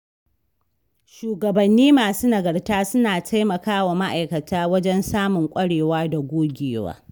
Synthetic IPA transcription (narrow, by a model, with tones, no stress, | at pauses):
ʃuː˨ɡɐ˨bɐ˨nːiː˦maː˨suː˦nɐ˨ɡɐ˨rtaː˦sʊ˦naː˨tʰa˦jmɐ˨kaː˦wa˨ma˦ʔa˨jkɐ˨taː˦wɐ˦d͡ʒɛ˦nsaː˦mʊ˨ŋkʷʼɐ˦ɽeː˨waː˦da˨ɡʷoː˦ɡʲeː˨wa̰ː˦